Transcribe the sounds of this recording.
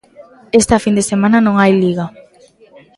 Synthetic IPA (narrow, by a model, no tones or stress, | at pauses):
est̪ɐfind̪esemanɐnõŋajliɣa